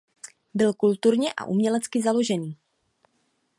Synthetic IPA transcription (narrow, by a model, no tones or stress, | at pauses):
bɪlkult̪uɾɲɛʔa̰ʔumɲɛlɛt͡skɪzalo̞ʒɛniː